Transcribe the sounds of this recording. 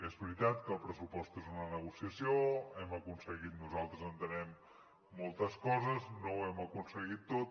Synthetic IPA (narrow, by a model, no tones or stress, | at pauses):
ezβɾit̪at̪kəːlˠpɾəsupɔst̪ezunənəɣusiəsioɛməkunsəɣit̪̚nuzalˠt̪ɾəzənt̪ənɛmː | ɔlˠt̪əskɔzəznowɛməkunsəɣit̪ːot̪̚